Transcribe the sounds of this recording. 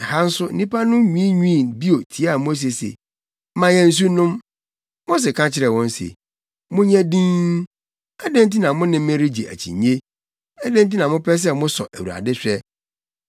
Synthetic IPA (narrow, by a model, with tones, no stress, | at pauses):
ha˦n̩˦sʊ˦n̩˦nĩ˦pa˦nʊ̃˦ɲĩ˦i˦ɲũ˦˨bi˦o˨tʰi˨a˦a˨mo˦s̬e˨sḛ˨˦ | mã˨jɛ̃˨n̩˨s̬u˦nʊ̃˦m | mʊ̃˦s̬ɪ˨kʰã˦t͡ɕʰɪ˨ɾɛ˨wɔ̃˦n˦sḛ˨ | mʊ̃˦ɲɛ̃˦dĩ˦n | ɛ˦dɛ̃˦nt̬i˦nã˨mʊ̃˦nɪ̃˦m˦mẽ˦ɾi˦d͡ʑḛ˨ʔæ̰˨t͡ɕʰḭ̃˨ɲe˦ | ɛ˦dẽ˦n˦t̬ĩ˦nã˨mʊ̃˦pʰɛ˦s̬ɛ˦mʊ̃˦sɔ̰˨ʔæ˨wu˨a̰˨dɪ˦ɕᶣɛ˦